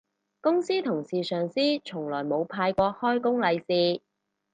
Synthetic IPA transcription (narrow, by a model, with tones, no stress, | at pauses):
kʊ˥ŋsiː˥t̪ʰʊ˨˩ŋsiː˨sœː˨˩ŋsiː˥t͡ʃʰʊ˨˩ŋlɔː˨˩jmo˨˧wpʰaː˧jkʷɔː˧hɔː˥jkʊ˥ŋlɐ˨˧jsiː˧